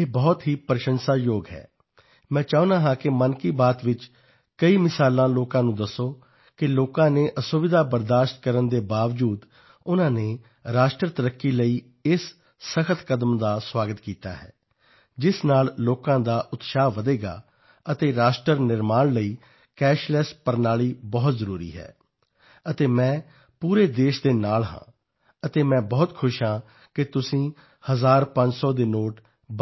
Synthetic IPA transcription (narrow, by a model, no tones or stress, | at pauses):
eːbɔːt̪ɦiːpəɾɪʃə̃nsaːjoːɡɦɛ̰ː | mɛ̃ːt͡ʃaːũnaːɦãːkɪmənkiːbaːt̪ʋɪt͡ʃ | kəiːmɪsaːlãːloːkãːnũːd̪əsːoː | kɪloːkãːneːʔəsʊʋɪd̪aːbəɾd̪aːʃt̪̚kəɾənd̪eːbaːʋd͡ʒuːd̪ | ʊnãːneː | ɾaːʃʈɾət̪əɾəkːiːləiː | ɪsː | əkʰət̪kəd̪md̪aːswaːɡət̪kiːt̪a̰ːɦɛ̰ː | d͡ʒɪsnaːlloːkãːd̪aːʔʊt̪ʃaːʋəd̪eːɡa̰ː | ət̪eːɾaːʃʈəɾnɪɾmaːnləiː | kɛːʃlɛspəɾnaːliːbɔːt̪zəɾuːɾḭːɦɛ̰ː | ət̪eːmɛ̃ː | puːɾeːd̪eːʃd̪eːnaːlɦã̰ː | ət̪eːmɛ̃ːbɔːt̪kʰʊʃɦãː | kɪt̪ʊsĩː | həzaːɾpə̃ɲd͡ʒsɔːd̪eːnoːʈ | b